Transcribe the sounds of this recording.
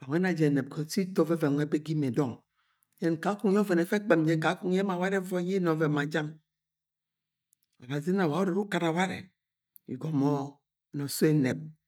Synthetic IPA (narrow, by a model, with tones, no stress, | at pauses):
a˨ŋʷe˦na˨d͡ʒe˨ne˨kʰo˨˦si˦to˦ve˦ve˨ŋʷe˦be˦ɡi˦m˨e˨dɔ˦ŋ˦ | je˦n˨ka˨˦ku˦ŋ˦jo˦ve˨ne˨fe˦k͡pe˨md͡ʒe˦ka˨˦ku˦ŋ˦je˦ma˨wa˦ɾe˦vɔ˦ji˦nɔ˨˦ve˨ma˨d͡ʒa˦ŋ | o˨ba˨s̬i˦na˨wa˨o˦ɾe˨ɾu˦ka˨n˨a˨wa˦ɾḛ˨ | ḭ˨ɡo˨mo˦˨ | no˨so˦e˨ne˨p̚